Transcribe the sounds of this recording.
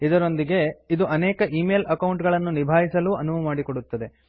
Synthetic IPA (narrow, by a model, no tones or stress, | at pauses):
id̪ɐɾo̞nd̪iɡe̞id̪uʔɐnɛːkɐʔiːmeːlɐkɐwuɳʈɡɐɭɐnːunibʱaːɦisɐluːɐnubɐmaːɽikoɽut̪ːɐd̪e̞